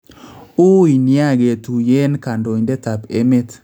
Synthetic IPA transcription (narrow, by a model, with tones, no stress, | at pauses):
u˦i˨nja˦˨ɡe˨tu˨je˦nka˨ndo˨ɲdɛ˦ta˨pe˦me˦t